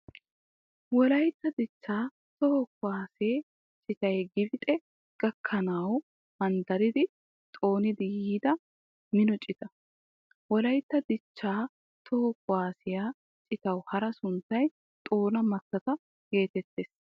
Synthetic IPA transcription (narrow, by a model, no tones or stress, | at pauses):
wɔlɐjt̪ːɐd̪ɪt͡ʃːaː | t̪ɔhɔkːʊwaːseː | t͡ʃʼɪt̪ɐjɡɪbɪt̪ʼɛ | ɡ̥ɐkʰːɐnɐw | mɐnd̪ɐɾɪd̪ɪ | t̪ʼo̞ːnɪd̪ɪjiːd̪ɐ | mɪnɔt͡ʃʼɪt̪ɐ | wɔlɐjt̪ːɐd̪ɪt͡ʃːaː | t̪ʰɔhɔkʊwaːsɪjaː | t͡ʃʼɪt̪ɐwhɐɾɐsʊnt̪ːɐj | t̪ʼo̞ːnɐmɐt̪ːɐt̪ɐ | ɡe̞ːt̪ɛt̪ːeːs